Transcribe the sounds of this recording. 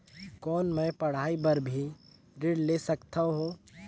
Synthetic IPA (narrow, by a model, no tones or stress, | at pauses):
kɔːnmɛ̃pɐɽ̤aːibɐɾbʱi | ɾɪɽleːsɐkt̪aɦoː